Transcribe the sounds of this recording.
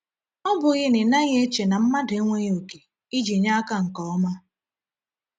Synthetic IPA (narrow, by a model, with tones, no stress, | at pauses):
ɔ˦bʊ˨ɣɪ˦nɪ˨na˦ɣe˦t͡ʃe˨na˨m̩˦ma˦de˦ŋʷe˦ɲ˦o˨ke˨ | i˦d͡ʒi˨ɲa˦ka˦ŋ̩˨kɔ˦ɔ˦ma˦